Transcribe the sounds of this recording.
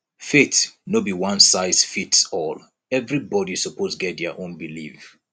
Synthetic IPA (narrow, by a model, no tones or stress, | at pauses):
fetnobiwãnsaɪsfitsɔl | ɛvɹibɔdisɔpʰosɡɛt̚dəʔõnbilif